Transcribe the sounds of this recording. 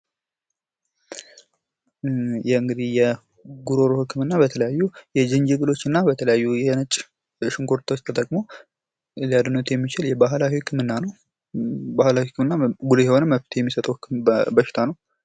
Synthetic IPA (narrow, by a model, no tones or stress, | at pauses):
jɛɨŋɡɨd̪ihjɛ | ɡuɾo̞ɾohɨkʰːɨmɨnːabət̪ʰələjajːujɛd͡ʒɨɲd͡ʒɨɡɨlo̞t͡ʃːɨnːabət̪ʰələjajːujɛnɨt͡ʃʼ | ʃɪŋko̞ɾt̪ʰawot͡ʃːt̪ʰət̪ʼəkʼmo̞ | lijad̪ɨnot̪jɛmːit͡ʃɪljɛbaɦlawihɨkʰːɨmɨnːanəw | bahlawihɨkːɨmɨnːabulujɛho̞nəmːəft̪ʰjɛmːisət̪ʼəwhɨkʰːɨmbəʃɪ̥t̪ʰanəw